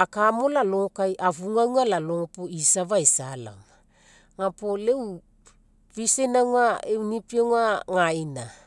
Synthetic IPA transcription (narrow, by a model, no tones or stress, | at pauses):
akamo̞lalo̞ŋokajʔavuŋawŋalalo̞ŋopoisavaesala̰ŋ | ŋapolew | visenawŋaewnipioŋaŋaina